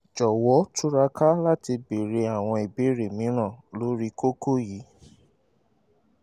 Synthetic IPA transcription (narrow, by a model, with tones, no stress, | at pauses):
d͡ʒɔ˨wɔ˨˦tʰu˦ɾa˧ka˦la˦ti˧be˨ɾe˧a˨w̃ɔ̃˧i˨be˨˦ɾe˨mĩ˨˦ɾ̃ã˦˨lo˨˦ɾi˦ko˦ko˦ji˨˦